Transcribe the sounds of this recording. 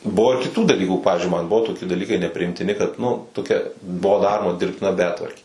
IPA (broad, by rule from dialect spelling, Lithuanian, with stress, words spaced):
ˈbʊʋoː ɪr kʲɪˈtuː dɐˈlʲiːkuː ˈpɑːʋʲɪzʲd͡ʒʲʊɪ mɐn ˈbʊʋoː toːˈkʲɪ dɐˈlʲiːkɐɪ nʲɛpʲrʲɪɪmʲtʲɪˈnʲɪ kɐt nʊ toːˈkʲɛ ˈbuɔ ˈdɑːroːmɐ dʲɪrʲpʲtʲɪˈnɐ ˈbʲæːtʋɐrʲkʲeː